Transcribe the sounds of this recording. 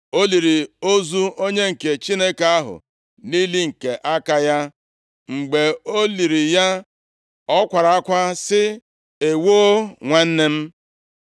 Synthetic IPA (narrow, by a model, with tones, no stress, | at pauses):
o˦li˨ɾi˨o˦zu˦o˦ɲe˦ŋ̩˨ke˨t͡ʃi˦ne˦ka˦ɦʊ̰˨ | ni˦li˦ŋ̩˨ke˨ʔa˦ka˦ja˦ | ŋ͡m̩˨ɡ͡be˨o˦li˨ɾi˨ja˦ | ɔ˦kʷa˨ɾa˨a˦kʷa˦sɪ˦ | e˨wo˦ŋʷa˦n̩˦ne˦m̩˦